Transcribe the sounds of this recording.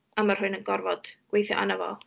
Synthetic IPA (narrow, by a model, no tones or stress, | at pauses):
amar̥hʊɨnənɡɔrvɔd̥ɡ̥wejθjɔ̰ʔanəvɔ̰lˠ